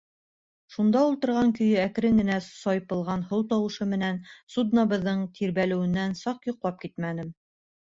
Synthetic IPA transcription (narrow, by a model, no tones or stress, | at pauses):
ʃund̪ɑulˠt̪ɤ̆ɾʁɑŋkɵ̆jɘæk̆ɾɘnɘ̆næssɒjpɤ̆lˠʁɑnhow̪ˠt̪ɑwɤ̆ʃɤmɘ̆nænsud̪nɑβɤ̆ðːɤɴt̪ʰiɾβælɘ̆wɘ̆nːænsɑqjŏqlˠɑp̚kit̪mænɘm